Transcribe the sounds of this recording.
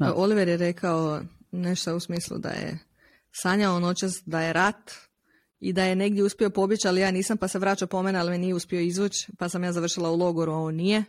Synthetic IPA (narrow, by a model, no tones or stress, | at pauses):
ʔo̞liʋeɾjeɾe̞kʰao | ne̞ʃt̪ousmiːslˠṵd̪a̰jḛ | saɲaono̞t͡ɕast̪d̪aje̞ɾat̪ | id̪aje̞ne̞ɡd̪ʲjeuspio̞po̞bjit͡ɕalijaːniːsampaseʋɾaːt͡ɕapo̞menealimenijeuspio̞izʋut͡ɕpasamjaːzaʋr̩ʃilˠaulˠo̞ɡo̞ɾuaoːnnːije